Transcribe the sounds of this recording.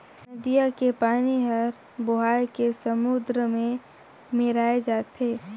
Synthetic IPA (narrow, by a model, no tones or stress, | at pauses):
nɐd̪ijakepaːniɦɐɾ | boɦaːjkesəmʊd̪ɾəmẽ | meɾaːed͡ʒaːt̪ʰeː